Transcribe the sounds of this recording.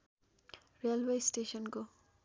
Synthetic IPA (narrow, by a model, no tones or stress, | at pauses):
rijalwejsʈesʌnko